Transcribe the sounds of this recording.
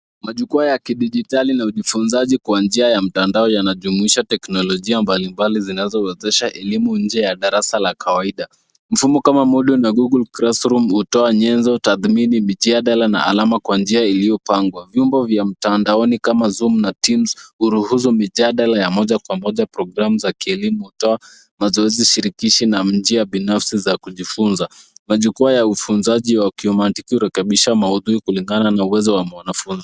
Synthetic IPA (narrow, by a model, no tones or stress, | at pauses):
maʄukuajakiɗiʄitalinauʄifunzaʄikwand͡ʒiajam̩tandaɔjanaʄumuiʃatɛknɔlɔʄiambalimbalizinazɔwɛzɛʃaʔɛlimuɲ̩d͡ʒɛjaɗaɾasalakawaiɗa | m̩fumɔkamamuɗunaɡuɡulkɾasɾumhutɔaɲɛnzɔtaθminimiʄaɗalana̰ʔa̰lamakwand͡ʒiailiɔpaŋɡwavjumbɔvjam̩tandaɔnikamazumnatimzuɾuhus̬umiʄaɗalajamɔʄakwamɔʄapɾɔɡɾamuzakiɛlimuhutɔa | mazɔɛziʃiɾikiʃinam̩d͡ʒiaɓinafsizakuʄifunzamaʄukuajaufunzaʄiwakiɔmatikihuɾɛkɛɓiʃamauðuɾikuliŋɡananauwɛzɔwamwanafunzi